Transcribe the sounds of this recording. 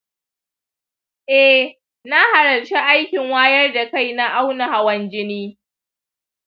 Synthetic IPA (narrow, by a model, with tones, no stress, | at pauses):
ʔɛ˦ | na˦ha˨ɾɐ˨rt͡ʃe˦ʔa˦jkʲɪ˨ŋwaː˦jɐ˦rda˨ka˦˨jna˦ʔa˦wna˨ha˨wɐ˨nd͡ʒɪ˦niː˦